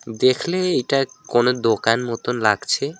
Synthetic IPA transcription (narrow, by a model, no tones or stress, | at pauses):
d̪ekʰleejʈakonod̪okanmɔt̪onlaɡ̥t͡ɕʰe